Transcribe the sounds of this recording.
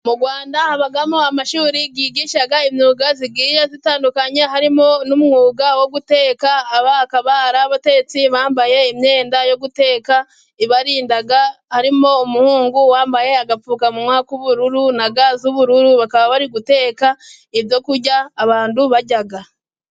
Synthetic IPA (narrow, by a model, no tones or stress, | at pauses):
muɡwaːndahaβaɡamo̞amaʃuːɾiɡiːɡiːʃaɡaimɲuːɡaziɡiːɾazitaːndukaɲe̞ɦaɾimo̞numŋuːɡawo̞ɡute̞ːkaːβaːkaβaɾaβate̞ɡet͡siβaːmbaje̞imɲe̞ːndajo̞ɡute̞ːka | iβaɾiːndaɡahaɾimo̞umuhuːŋɡuwaːmbaje̞aɡap͡fuːkamumŋaːkuβuɾuɾunaɡazuβuɾuɾuβakaβaβaɾiɡute̞ːka | iβjo̞kuɾɟaːβaːnduβaɟaɡa